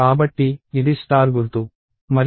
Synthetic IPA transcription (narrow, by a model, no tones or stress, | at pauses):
aːbɐʈːiidist̪aːɾɡuɾt̪u | mɐɾ